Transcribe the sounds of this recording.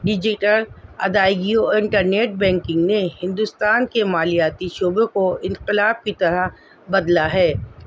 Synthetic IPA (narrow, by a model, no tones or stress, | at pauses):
ɖɪd͡ʒɪʈəlɐ̰d̪aːiɡioɪ̃ɳʈəɾneːʈ̚bɛ̃ːŋkɪ̃ŋɡnehɪ̃nd̪ʊst̪aːnkemaːlijaːt̪iʃoːbẽkoɪ̃nqɪlaːb̚kit̪ɐɾa | bɐd̪laɦɛː